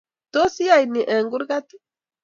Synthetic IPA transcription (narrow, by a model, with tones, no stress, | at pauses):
t̪o˦si˦a˨jni˨ʔe˨ŋɡu˦ɾɡa˦t̪i˦